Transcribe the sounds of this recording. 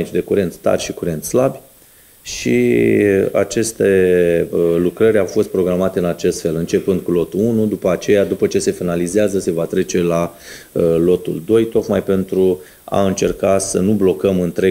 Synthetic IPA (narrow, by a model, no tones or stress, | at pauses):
it͡ʃd̪e̞kuɾe̞nt̪t̪a̰rʲʃikuɾe̞nt̪slabʲ | ʃḭ | a̰t͡ʃe̞st̪e̞ | lukɾəɾʲawfo̞st̪̚pɾo̞ɡɾamat̪eɨnat͡ʃe̞st̪fe̞lɨnt͡ʃe̞pɨnd̪̚kulo̞t̪uunud̪upəat͡ʃe̞jad̪upət͡ʃe̞se̞finalizeazəse̞vat̪ɾe̞t͡ʃe̞la | lo̞t̪ṵld̪o̞jt̪o̞k̪majpe̞nt̪ɾu | a̰ɨnt͡ʃe̞rkasənublo̞kəmɨnt̪ɾe